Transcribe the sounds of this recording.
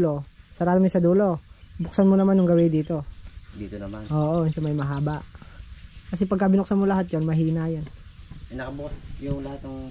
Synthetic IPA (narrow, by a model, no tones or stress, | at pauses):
lo̞sɐɾaːt̪ɐmosɐd̪uːlobʊk̚sɐnmonɐmanjʊŋɡɐwɛd̪iːt̪o̞d̪ḭːt̪onɐmanʔoːʔoʊnsɐmɐjmɐɦaːbɐʔ | kɐsɛpɐɡ̚kɐbɪnʊk̚sɐnmolɐɦat̪̚jonmɐɦiːnajonnɐkɐbʊkɐsjʊŋlɐhat̪̚nɐŋ